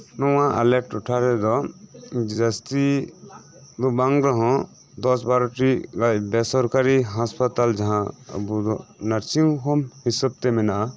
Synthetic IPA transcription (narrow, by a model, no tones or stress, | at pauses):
nɔwãʔɐ̰leʈuʈʰaɾɛd̪ɔ | d͡ʒɐst̪i | d̪ubaŋɡɾɔɦɔ̃ | d̪ɔsbaɾʈiɡajbesɔɾkaɾiɦaspət̪ald͡ʒɐɦãə̰bud̪ɔnɐɾt͡ʃikʰɔmhisəb̚t̪emina